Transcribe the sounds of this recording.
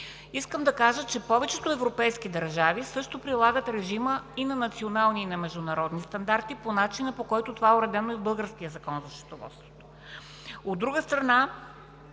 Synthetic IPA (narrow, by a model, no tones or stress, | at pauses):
iskəmd̪ɐkaʒət͡ʃɛpɔvɛt͡ʃɛt̪oɛvɾopɛjskid̪ɐɾʒavisɤʃt̪opɾilˠaɡət̪ɾɛʒiməinɐnɐt̪sionalˠninɐmɛʒd̪ʊnɐɾɔd̪nist̪ɐnd̪aɾt̪iponat͡ʃinəpokɔjt̪ʊt̪ovaoɾɛd̪ɛnoɛbɤlˠɡəɾskijəzɐkɔnzɐʃɾo̥t̪ovɔ̰t̪st̪vo̥t̪o̥ | od̪ːɾuɡəst̪ɾɐna